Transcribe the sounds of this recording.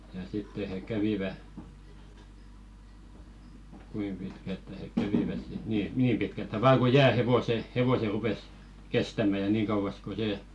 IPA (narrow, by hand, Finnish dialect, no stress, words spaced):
jɑ sitːe he kæʋiʋæ kuim pitkæltːæ hek kæʋiʋæs sit niː niːm pitkæltːæ ʋɑː ku jæː heʋose heʋose rupes kestæmæ jɑ niːŋ kɑuʋɑs ko se